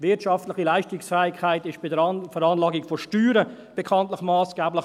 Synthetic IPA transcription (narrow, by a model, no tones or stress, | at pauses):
vɪɐtʃɑftlɪχilaɪʃtɪksfɛːɪkʰhaɪtɪʃb̥ɪdəɾfəɾɑːnlɑːɡɪkfɔʃtyːɾə | b̥ɛkʰɑntlɪχmɑːsɡ̥ɛːblɪ